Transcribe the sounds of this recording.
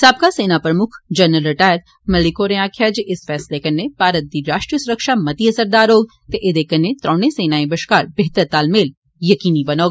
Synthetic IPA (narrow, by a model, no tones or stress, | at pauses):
saːb̚kaseːnapɾɐmʊkʰd͡ʒɐnːəlɾɪʈaːjət̪̚ | mɐlikoːɾẽaːkʰjaːd͡ʒʔɪsfɛːslekɐnːepaːɾət̪̚d̪iɾaːʃʈɾijəsʊɾəkʃamɐt̪iɐsəɾd̪aːɾoːɡ̚ | t̪eʔɪd̪ekɐnːet̪ɾʔɔ̃ːñẽseːnaːẽbɐʃkaːɾbeɦt̪əɾt̪aːlmeːl | jɐkiːnibɐnoːɡ